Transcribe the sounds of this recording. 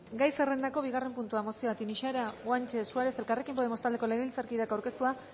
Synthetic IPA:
ɡajse̞re̞nd̪ako̞β̞iɣare̞mpunt̪uamosio̞at̪iniʃaɾaɣwant͡ʃe̞suaɾe̞se̞lkare̞kimpo̞ðemost̪ald̪e̞ko̞leɣeilt͡saɾkiðakawɾke̞st̪ua

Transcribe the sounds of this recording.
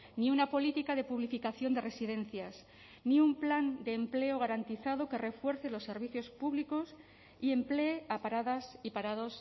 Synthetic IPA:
niunapo̞lit̪ikaðe̞puβlifikaθjo̞nd̪e̞re̞siðẽ̞n̟θjas | niumpland̪e̞ːmpleoɣ̞aɾant̪iθað̞o̞ke̞re̞fwe̞ɾθelo̞sːe̞ɾβ̞iθjo̞spuβliko̞s | ie̞mple̞ːapaɾaðasipaɾaðo̞s

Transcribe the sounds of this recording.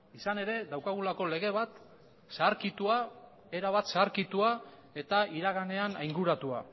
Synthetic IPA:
isane̞ɾe̞d̪awkaɣulako̞le̞ɣe̞β̞at̪ | saːɾkit̪ua | e̞ɾaβat̪saːɾkit̪ua | e̞t̪aiɾaɣane̞anajŋɡuɾat̪ua

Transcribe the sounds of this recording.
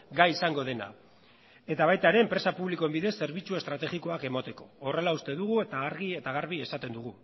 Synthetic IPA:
ɡajisaŋɡo̞ð̞e̞na̰ | e̞t̪aβ̞ajt̪aeɾe̞ːmpɾe̞sapuβliko̞embiðe̞sːe̞ɾβit͡sue̞st̪ɾat̪e̞ɣiko̞ake̞mat̪e̞ko̞ːre̞laust̪e̞ðuɣ̞ue̞t̪aɣaɾɣie̞t̪aɣ̞aɾβ̞ie̞sat̪e̞nd̪uɣ̞u

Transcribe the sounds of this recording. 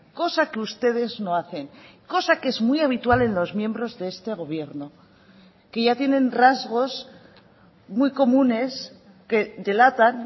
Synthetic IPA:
ko̞sakeust̪e̞ð̞e̞zno̞aθe̞ŋko̞sake̞zmwijaβ̞it̪wale̞nlo̞zmje̞mbɾo̞zðeest̪e̞ɣ̞o̞β̞je̞ɾno̞ | ke̞ʝat̪je̞nẽ̞nrazɣo̞s | mujko̞mũne̞s | ke̞d̪e̞lat̪an

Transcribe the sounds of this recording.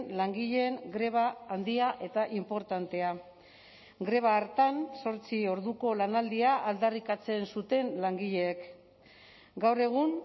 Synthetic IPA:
nlaŋɡiʎe̞ːŋɡɾe̞β̞aːnd̪iaʔe̞t̪aʔimpo̞ɾt̪ant̪e̞a | ɡɾe̞β̞aːɾt̪anso̞ɾt͡sio̞ɾðuko̞lanald̪iaʔːld̪arikat͡se̞nsut̪e̞nlaŋɡiʎe̞ːk | ɡawre̞ɣ̞un

